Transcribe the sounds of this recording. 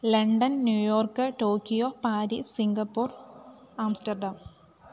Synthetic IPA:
lɐɳɖɐnnjuːjoːrkːɨʈo̞ːkijopaːɾisiŋɡɐpːuːr | aːmstɐrɖɐm

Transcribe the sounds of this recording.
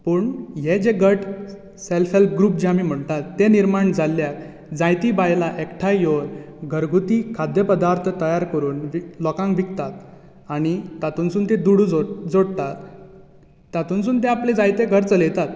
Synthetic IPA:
puːɳjed͡ʑeɡəʈʰ | selfelp̚ɡɾuːpd͡ʑeamiːm̤əɳt̪at̪ːeniɾmaɳd͡zalːjat̪ | d͡zajt̪ibajlaʔekʈʰajjon | ɡʱəɾɡʱut̪ikʰad̪jəpəd̪aɾt̪ʰət̪əjaɾkəɾuːnʋlɔkãŋkʋikt̪at̪ | aɽ̃it̪at̪uːnsuːnt̪ẽd̪uɽud͡zod͡zoɽt̪at̪ː | at̪unsuːnt̪ẽapled͡zajt̪eɡʱəɾt͡səlet̪at̪̚

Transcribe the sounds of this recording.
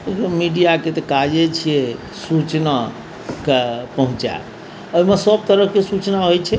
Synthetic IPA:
ekomiɖijaket̪ɔkad͡ʒet͡ʃʰije | sut͡ʃna | kpəɦũt͡ʃa̰ | oimesəb̚t̪əɾəɦkesut͡ʃnaɦojt͡ʃʰɛ

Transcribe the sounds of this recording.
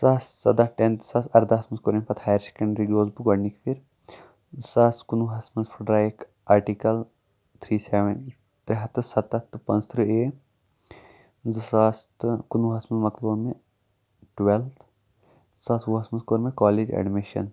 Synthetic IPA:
sɐssɐd̪ɐʈent̪sɐsɐɾd̪asmɐnskoːɾmẽpɐt̪haːjɐɾse̥kɐ̃ɳɖɾiɡoːzbuɡɐɽnikfiɾ | sɐskunuɦɐsmɐnzpʰuɖɾaːik | aːɾʈikɐl | t̪ʰɾiːseʋen | t̪eɦɐt̪ɨsɐt̪ɐt̪ːɨpɐ̃nzt̪ʰɾɨeː | zɨsast̪ɨkunuɦɐsmɐnmɐkloːme | ʈʋelt̪ʰ | sɐsʋuɦɐsmɐnskoːɾmekaːled͡ʒɐ̰ɖmiʃɐ̰n

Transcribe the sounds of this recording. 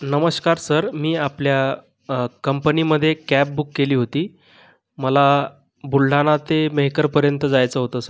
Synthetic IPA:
nəməskaɾsəɾmiːaplja | kəmpəniməd̪ʱːjekæp̚bukːeliːɦot̪iː | məla | bulɖʱanat̪emeɦikəɾpəɾjənt̪əd͡zajt͡səɦot̪əːsəɾ

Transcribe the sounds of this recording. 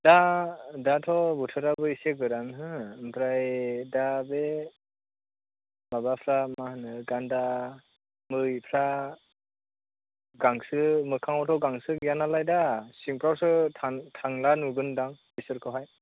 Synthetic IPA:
dadatʰɔbutʰɯɾabɯisek̚ɡɯɾanɦɯmpʰɾajdabe | mabapʰɾammahnɯɡanda | mɯjpʰɾa | ɡaŋsɯmɯkʰaŋɔtʰɔɡaŋsɯjanalajdasiŋpɾawsɯtʰaŋtʰaŋlanuɡɯndaŋbisɯɾkʰɯwɦaj

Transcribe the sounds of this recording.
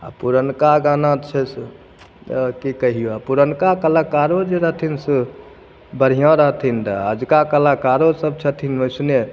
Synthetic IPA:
a̰puɾənkaɡanat͡ʃʰɛs | kikəɦijoapuɾənkakəlakaɾod͡ʒeɾəɦt̪ʰinsə | bəɾ̤ijɔ̃ɾəɦt̪ʰint̪əəd͡ʒkakəlakaɾosəb̚t͡ʃʰət̪ʰinoɪsne

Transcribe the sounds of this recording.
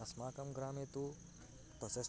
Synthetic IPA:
ɐsmaːkɐmɡɾaːmet̪u | t̪ɐses

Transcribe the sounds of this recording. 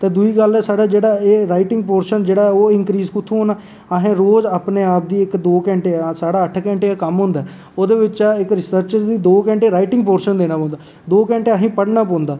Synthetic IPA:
t̪eːd̪ʊiːɡəlɛːsaːɽaːd͡ʒeːɽaːeːɾaːɪʈɪŋɡ̚poːɾʃənd͡ʒeːɽaːɛoːɪŋkɾiːzkʊt̪ʰːũɦoːnaː | aɦẽːɾoːzaːpneːaːp̚d̪iːɪkd̪oːkɛ̃ːɳʈeːsaːɽaːəʈʰkɛ̃ːɳʈeːaːkəmɦʊ̃nd̪aː | oːd̪eːʋɪt͡ʃaɪkɾɪsəɾt͡ʃəɾd̪iːd̪oːkɛ̃ɳʈeːɾaːɪʈɪ̃ŋɡpoːɾʃənd̪eːnaːpɔ̃ːnd̪aː | d̪oːkɛ̃ːɳʈeːəɦĩːpəɽnaːpɔ̃ːnd̪aː

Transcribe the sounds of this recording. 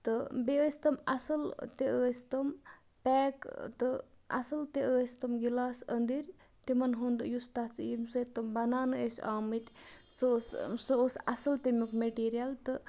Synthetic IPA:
t̪ɨbeəːsʲt̪ɐmɐsɐlt̪eʔəːsʲt̪ɐm | peːkt̪ɨ | ɐ̰sɐlt̪eəːsʲt̪ɐmɡilaːsə̰nd̪iɾ | ʈimɐnɦund̪ɨjust̪asʰjimsət̪ɐmbɐnaːnɨesʲaːmɨt̪ʲsɨssɨosɐsɐlt̪emʲukmeʈiːɾijɐlt̪ɨ

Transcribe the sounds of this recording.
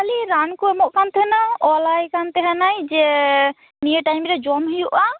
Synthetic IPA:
kaliɾankuɛmɔʔkant̪ʰɛnaɔlajkant̪ɛɦanajd͡ʒɛ | niəʈajmɾɛd͡ʒɔmɦijuʔa

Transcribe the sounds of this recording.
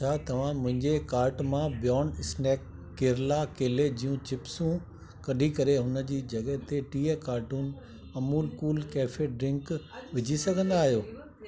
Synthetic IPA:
aːt̪ɐʋ̤ãmʊ̃ɦɪ̃ɲd͡ʑekaːɾʈmãbjɔːnɪsnɛːkː | eːɾlakeːled͡ʑijũt͡ɕɪpsũ | kɐɗʱikɐɾeɦʊnəd͡ʑiːd͡ʑɐɡəɦt̪eʈiːekaːɾʈuːnɪ̆ | ɐmuːlkuːlkɛːfeɖɾɪ̃ŋkʋɪd͡ʑʱisɐɡʱə̃nd̪aːɦijoː

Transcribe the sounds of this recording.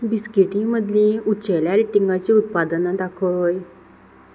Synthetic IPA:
biskiʈĩməd̪ʱlẽutːɕəjljaɾeʈiŋɡat͡ɕiːut̪̚pad̪ənad̪akʰəɦoj

